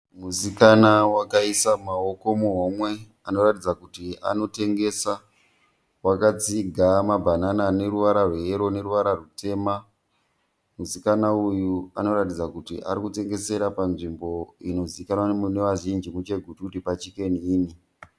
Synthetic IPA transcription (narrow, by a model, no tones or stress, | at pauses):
musikanawakaisamao̞ko̞muɦomwe̞ | ano̞ratid͡zakutia̰no̞te̞ŋɡe̞sa | wakad͡ziɡʱamabʱananane̞ɾuʋaɾarweeɾo̞ne̞ɾuʋaɾarute̞ːma | musikanaujuano̞ɾatid͡zakutiʔa̰ɾikute̞ŋɡe̞se̞ɾapanʐimbo̞ino̞ziikanwanneʋaʒind͡ʒimut͡ʃe̞ɡʱutukutipat͡ʃike̞niːni